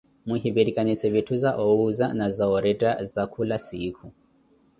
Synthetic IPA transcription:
muɦiβiɾikaɲisɛβitʰuzaʔɔuzanazaɔɾɛtazakʰulasikʰu

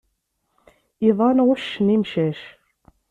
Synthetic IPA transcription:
iðˤɑnʁʊʃːənimʃæʃ

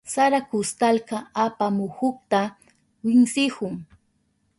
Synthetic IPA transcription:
saɾakʊst̪alkaapamʊhʊkt̪a | wɪŋsɪhʊŋ

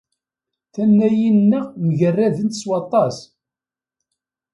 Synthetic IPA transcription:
θænːæjinnːəʁməʝərːæðənt̪swɑt̪ˤɑs

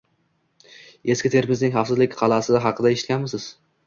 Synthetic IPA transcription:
e̞skʲɪt̪ʰeɾmɪznɪŋχɑfsɪzlɪkʲqʰɑlˠasɪd̪aɦɑqʰɨd̪ae̞ʃɪ̥t̪kʲanmɪsɪz̥

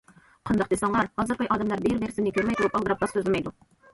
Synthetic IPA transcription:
qʰɑnd̪ɑq̚d̪esɑŋlɑɾhɑzɨɾqɑjʔɑːd̪ɛmlˠɑɾbeɾbeɾsɪmnɪkʲʰøɾmɛjt̪ʰulˠupɑlˠd̪əɾɑp̚qɑsøzlɪmɛjd̪u

